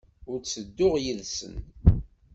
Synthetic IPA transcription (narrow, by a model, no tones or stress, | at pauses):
ʊɾt͡sːəd̪ːʊʁjiðsə̰n